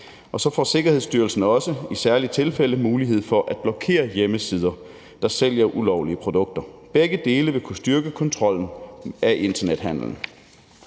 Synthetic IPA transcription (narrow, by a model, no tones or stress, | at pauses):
ʔɒ̽sɒ̽fɒ̰ːse̝ɡ̥ɐhe̝ðˠsd̥yɐl̩sn̩ɒ̽səisæɐlit͡sʰe̝lfel̰əmuːliɦe̝ð̞̰ˠfɒ̽ʔæd̥̚b̥lɒ̽kʰe̝̰ːɐjeməsiːð̞ˠɐ | d̥ɑ̈sel̰jɐʔulɒʊliəpʰʁod̥ɔ̽ɡ̥̚d̥ɐb̥eɡ̥əd̥e̝ːləʋe̝kʰusd̥yɐɡ̥əkʰɒ̽nt͡sʰʁɒ̽l̰n̩ʔæʔe̝nd̥ɐned̥hæn̰l̩n̩